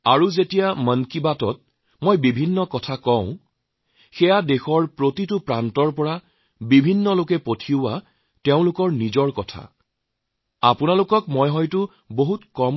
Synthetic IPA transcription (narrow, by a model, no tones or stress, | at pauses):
aɹuzetijamənkibatɔt̚ | mojbibʱinːɔkɔtʰakɔ̃ʊ̃ | xɛjadexɔɹpɹotitʊpɹantɔɹpɔɹa | bibʱinːɔlokɛpotʰiʊwaː | eʊ̃lʊkɔɹnizɔɹkɔtʰa̰ | apʊnalʊkɔkmojɦɔjtʊ | boɦutkɔm